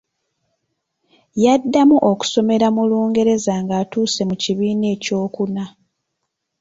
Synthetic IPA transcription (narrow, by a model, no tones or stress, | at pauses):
jadːamuʔoku̥so̞me̞ɾamuluːŋɡe̞ɾe̞zaŋɡaːtuːse̞muciβiːne̞ːco̞ːkuna